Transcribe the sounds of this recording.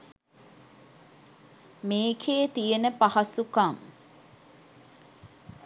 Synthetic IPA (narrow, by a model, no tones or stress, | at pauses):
meːkʰeːt̪ijenəpahɐsukaŋ